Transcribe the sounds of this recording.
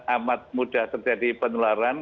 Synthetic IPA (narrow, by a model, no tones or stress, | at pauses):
ʔamat̪̚muɖ̥aht̪ərd͡ʒadipənulaɾan